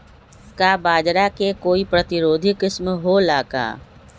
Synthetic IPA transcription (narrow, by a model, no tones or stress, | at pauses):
kabaːd͡ʒɾakekoːipɾət̪ɪɾoːd̪ʱikɪsmɦolaːka̰ː